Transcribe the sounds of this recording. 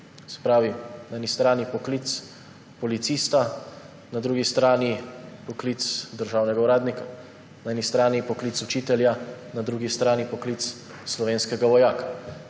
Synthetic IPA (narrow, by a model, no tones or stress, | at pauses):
sɛ̥pɾaːʋinaɛnist̪ɾaːnipɔklit̪s | pɔlit̪siːst̪a | nad̪ɾuːɡist̪ɾaːnipɔklit̪sd̪əɾʒaːwnɛɡauɾaːd̪nika | naɛːnist̪ɾaːnipɔklit̪sut͡ʃiːt̪ɛljanad̪ɾuɡist̪ɾaːnipɔklit̪s | slɔʋeːnskɛɡaʋɔjaːka